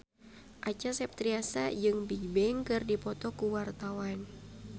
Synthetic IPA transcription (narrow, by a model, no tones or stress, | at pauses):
ʔat͡ʃasɛp̚t̪ɾiasa̰d͡ʒɨŋbibɛŋkɨrdipɔt̪ɔkuwart̪awan